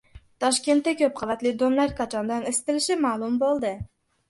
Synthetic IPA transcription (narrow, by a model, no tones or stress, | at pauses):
t̪ʰɒʃkʲe̞nt̪ːakʲɵp̚qʰɑvat̪lɪd̪omlaɾkʰɑt͡ʃʰɒnd̪anɪsɪ̥t̪ɪlɪʃɪmalˠʊmbolˠd̪ɪ